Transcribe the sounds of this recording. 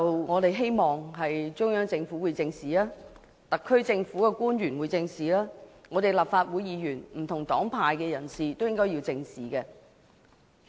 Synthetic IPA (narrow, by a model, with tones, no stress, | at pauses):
ɐ˨wŋɔː˨˧t̪e˨jɦe˥jmɔː˨ŋɦɐ˨jt͡ʃʊ˥ŋjœː˨˥ŋt͡sɪ˧ŋfuː˨˥wuː˨˧jt͡sɪ˧ŋsiː˨laː˥ | t̪ɐ˨kʰːɵ˥ɥt͡sɪ˧ŋfuː˨˥kɛ˧kuː˥njyː˨˩nwu˨˧jt͡sɪ˧ŋsiː˨laː˥ŋɔː˨˧t̪e˨˩jlaː˨p̚faː˧t̚wuː˨˧˥jiː˨˧jyː˨˩nm̩˨˩t̪ʰʊ˨˩ŋt̪ɔː˨˥ŋpʰaː˧jkɛː˧jɐ˨˩nsiː˨˩t̪o˥wjɪ˥ŋkɔː˥ji˧wt͡sɪ˧ŋsiː˨˩kɛː˧